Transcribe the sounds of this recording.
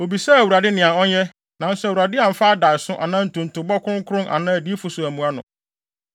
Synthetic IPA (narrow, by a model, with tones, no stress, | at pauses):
o˨bi˨sɛ˦˨wu˨ɾa˨dɪ˦nɪ̃˨ã˨ɔ˦ɲɛ˦ | nã˨n̩˦swu˨ɾa˨dɪ˦a˨m̩˨fa˦a˦da˨sʊ˦ʔa˨nã˦n̩˨tʰʊ̃˨n̩˨tʰʊ˨bɔ˦kʰʊ˦ʊ̃˦ŋ˦kʰʊ˦ʊ̃˦nʔa̰˨nã˦æ˨di˦fʊ˨sʊ˨æ˨mũ˨a˦nʊ̰̃˨